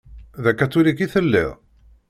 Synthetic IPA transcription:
ðækːæt͡sːulikiθəlːɪ̰ʁ

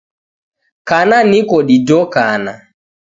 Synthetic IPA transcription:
kananikɔɗidɔkana

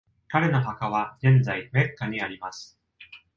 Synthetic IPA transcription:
kaɾe̞no̞ɦakaβ̞aɡẽ̞nd͡zaime̞kːaɲ̟iaɾʲimasɨ̥

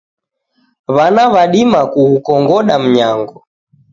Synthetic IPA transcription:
βanaβaɗimakuhukɔŋɡɔɗam̩ɲaŋɡɔ

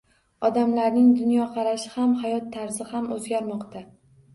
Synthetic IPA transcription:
ɒd̪amlaɾnɪŋd̪ʊnjɒqʰɑɾaʃɪhamhajɒt̪ʰːaɾzɪhamɵzɡʲaɾmɒqt̪a

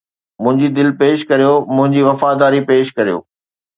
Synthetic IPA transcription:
mʊ̃ɦɪ̃ɲd͡ʑid̪ɪlpeːʃkɐɾijomʊ̃ɦɪ̃ɲd͡ʑiʋɐfad̪aːɾipeːʃkɐɾijo̰ː

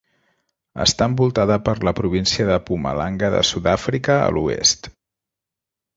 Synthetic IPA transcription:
ə̰st̪aəmbulˠt̪aðəpəɾləpɾuβ̞insiəðəpumə̰laŋɡəðə̰suðafɾikəə̰luḛst̪

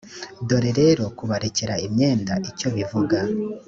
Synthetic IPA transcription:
do̞ɾeɾe̞ɾo̞kuβaɾece̞ɾaimɲe̞ːndaʔico̞βivuɡa

